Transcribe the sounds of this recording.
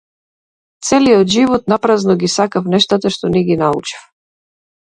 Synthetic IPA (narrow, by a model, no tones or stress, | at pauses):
t̪sɛliɔd̪ʒivɔt̪̚napɾaznɔɡisakafnɛʃt̪at̪aʃt̪ɔniɡinaṵt͡ʃi̥f